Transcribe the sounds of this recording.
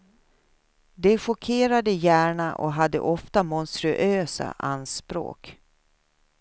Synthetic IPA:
d̪ɛɧɔkʰeːɾad̪əjæːɳaʔɔ̰ɦad̪ːə̰ʔɔft̪amɔnst̪ɾɵʔøːsa̰ʔa̰nspɾo̰ːk

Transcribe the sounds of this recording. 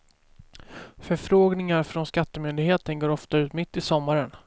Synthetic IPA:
fœɾfɾoːɡnɪŋaɾfɾɔnskat̪ːəmʏnd̪ɪɡheːt̪ənɡoːɾɔft̪aʉ̟ːt̪mɪt̪ːɪsɔmːaɾən

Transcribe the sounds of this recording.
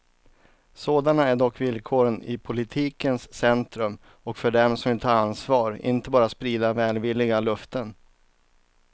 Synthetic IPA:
soːd̪anaæɖɔkːvɪlkʰoːɾənɪ̰pʰʊlɪt̪ʰiːkənsːɛnt̪ɾɵm | ɔkfœɖɛmsɔmvɪlt̪ʰɑːɾansvɑːɾɪ̰nt̪əbɑːɾat̪spɾiːd̪avɛːlvɪlːɪɡalɵft̪ən

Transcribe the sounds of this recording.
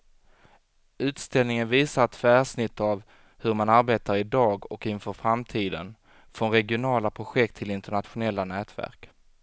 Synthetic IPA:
ʉ̟ːt̪st̪ɛlnɪŋənviːsaɾt̪fæːʂnɪt̪ːav | hɵɾmanaɾbeːt̪aɾɪd̪ɑːɡɔkɪnfœɾfɾamt̪ʰiːd̪ən | fɾɔnɾɛɡɪʊnɑːlapʰɾʊɧɛk̚t̪ʰːɪlɪnt̪əɳat̪ɧʊnɛlːanɛːt̪væ̰ɾk

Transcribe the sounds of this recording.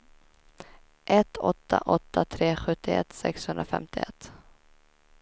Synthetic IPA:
ʔɛt̪ːɔt̪ːaʔɔt̪ːat̪ʰɾeːɧɵt̪ːɪɛ̰t̪sɛkshɵnd̪ɾafɛmt̪ɪɛt̪ː

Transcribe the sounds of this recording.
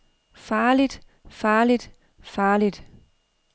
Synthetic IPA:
fɑːlid̥ | fɑːlid̥ | fɑːlid̥

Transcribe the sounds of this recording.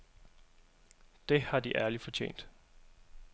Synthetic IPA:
d̥e̝hɑ̈d̥iʔæɐlifɒ̽t͡ɕʰḛːn̰d̥

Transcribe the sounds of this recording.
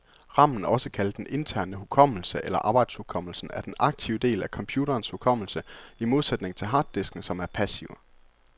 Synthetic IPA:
ʁɑ̈m̰n̩ɒ̽səkʰæld̥enʔe̝nt͡sʰæɐ̰nəɦukʰɒ̽m̰l̩səʔelɐʔɑ̈ːb̥ɑɪd̥shukʰɒ̽m̰l̩sn̩æɐd̥enʔɑ̈ɡ̥̚t͡sʰiʊd̥e̝̰ːlækʰɒ̽mpʰjuːɾɐːnshukʰɒ̽m̰l̩səimo̝ð̞ˠsed̥ne̝ŋt͡sʰe̝lɦɑ̈ːd̥ːe̝sɡ̥n̩sɒ̽mæɐpʰæsiʊə

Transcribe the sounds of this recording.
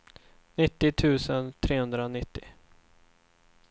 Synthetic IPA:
nɪt̪ːɪt̪ʰʉ̟ːsənt̪ʰɾeːhɵnd̪ɾaɔnɪt̪ːɪ

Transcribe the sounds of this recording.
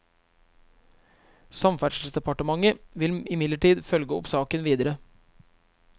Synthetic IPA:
sɑmfæɖʂl̩sd̪ɛpɑʈəmɑŋəʋɪlɪmɪd̪ləʈiːd̪fœlɡəɔpsɑːkənʋiːd̪əɾə

